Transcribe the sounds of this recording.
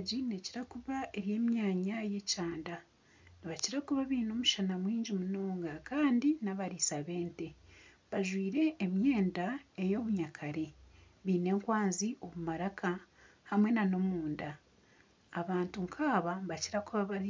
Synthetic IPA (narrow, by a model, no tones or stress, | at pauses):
ɟine̞ciɾakuβae̞ɾje̞ːmjaːɲaje̞caːnda | niβaciɾakuβaβiːno̞ːmuʃanamwiːɲɟimuno̞ːŋɡakaːndinaβaɾisaβe̞ːnte̞ | βaʒwiːɾe̞ːmje̞ːndae̞jo̞βuɲakʰaɾe̞ | βiːne̞ːŋkwaːnziʔo̞βumaɾakʰa | hamwe̞nano̞muːndaː | βaːntuŋkʰaːβaβaciɾakuβaβaɾi